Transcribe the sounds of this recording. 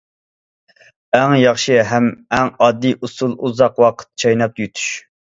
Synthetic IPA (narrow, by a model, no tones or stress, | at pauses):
ɛŋjɑχʃɨɦɛmɛŋɑd̪ːiʔusulˠuzɑqwɑqʰə̥t̪̚t͡ʃʰɑjnɑpjyt̪ʰy̥ʃ